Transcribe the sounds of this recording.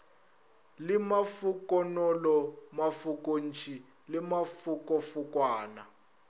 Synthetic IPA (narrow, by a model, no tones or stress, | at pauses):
lɪmafukɔnɔlɔmafukʼon̩t͡ʃʰʼi | limafukɔfukwaːna